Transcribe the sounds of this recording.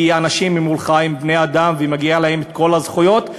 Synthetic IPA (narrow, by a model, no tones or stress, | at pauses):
ianaʃimːimulχaimbnead̪amvemaɡialahe̞met̪̚ko̞lazχujo̞t̪